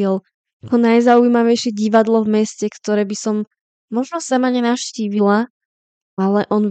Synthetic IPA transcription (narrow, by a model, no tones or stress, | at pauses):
ɛl | akɔnajzauimaʋɛjʃɪɛɟiʋad̪lɔvmɛscɛkt̪ɔɾɛːbisɔmː | ɔʒnɔsamaɲɛnafʃciːʋila | ʔalɛʔɔn